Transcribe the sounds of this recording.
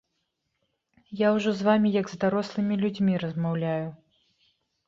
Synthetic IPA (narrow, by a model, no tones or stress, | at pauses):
jawʐɔzvamʲijɐɡzd̪aɾɔslˠɨmʲilʲud͡zʲmʲiɾɐzmawlʲaju